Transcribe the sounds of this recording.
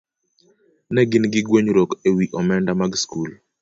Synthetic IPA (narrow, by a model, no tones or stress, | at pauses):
nɛɡɪnɡɪɡweɲɾokewiʔɔmɛndamaɡskul